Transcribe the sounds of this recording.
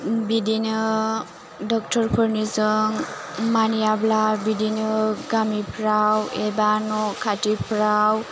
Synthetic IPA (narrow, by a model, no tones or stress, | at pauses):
bidinɯ | dɔk̚tʰɔɾpʰɔɾnizɯŋ | manijablabidinɯɡamipʰɾawebanɔkʰatipʰɾaw